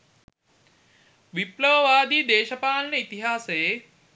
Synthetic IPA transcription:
ʋiplɐʋɐʋaːd̪iːd̪eːʃɐpaːlnɐit̪iɦaːseː

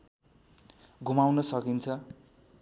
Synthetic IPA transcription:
ɡʱumawnʌsʌkint͡sʰʌ

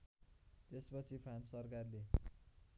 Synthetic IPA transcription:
t̪espʌt͡sʰipʰansʌrkarle

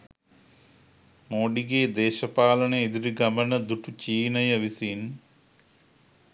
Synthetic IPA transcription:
moːɖiɡeːd̪eːʃɐpaːlɐɳeid̪iɾiɡɐmɐnɐd̪uʈut͡ʃiːnɐjɐʋisiːn

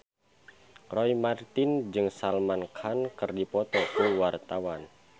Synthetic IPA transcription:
rɔimart̪ɪnd͡ʒɨŋsalmankʰankɨrdipɔt̪ɔkuwart̪awan

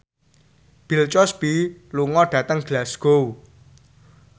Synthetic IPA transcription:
b̥ilt͡ʃɔsb̥iluŋɔɖ̥ä̤t̪əŋɡ̥lasɡ̥ow

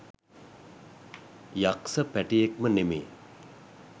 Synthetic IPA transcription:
jaqsʰəpɛʈiek̚mənemi

